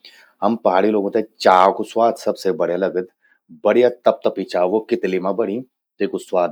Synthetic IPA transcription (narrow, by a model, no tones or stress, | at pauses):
hɐmpɐɦaːɽiloːɡõt̪et͡ʃaːkuswaːd̪sɐbsebɐɽ̤jelɐɡəd̪ | bɐɽijat̪ɐp̚t̪ɐpit͡ʃaːʋokɪt̪limãbɐɽ̃ĩː | t̪eːkuswaːd̪